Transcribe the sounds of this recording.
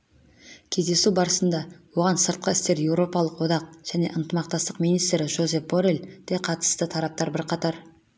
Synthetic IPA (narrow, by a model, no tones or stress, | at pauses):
kʲʰe̞zd̪e̞subɑɾəsənd̪ɑwo̞ʁɑnsəɾt̪̚qɑɪst̪e̞ɾje̞wɾo̞pɑlˠəqwo̞d̪ɑq̚ʒ̥æne̞ʔənt̪əmɑq̚t̪ɑst̪əqmijnijst̪ɾɪʒo̞ze̞pboɾeld̪̥eqʰɑt̪ə̥st̪ət̪ʰɑɾɑp̚t̪ɑɾbɪɾqʰɑt̪ɑɾ